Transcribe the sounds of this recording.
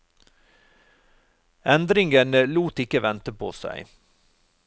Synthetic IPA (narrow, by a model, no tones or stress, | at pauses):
ɛnd̪ɾɪŋənluːt̪ɪkəʋɛnt̪əpʰo̰ːsæ̰ɪ